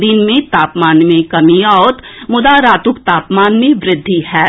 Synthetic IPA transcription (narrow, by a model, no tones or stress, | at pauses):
d̪iːnmẽt̪aːpmaːnmẽkɐmiɔːt̪mʊd̪aɾaːt̪ʊkt̪aːpmaːnmẽʋɾɪd̪ʱːiɦɛː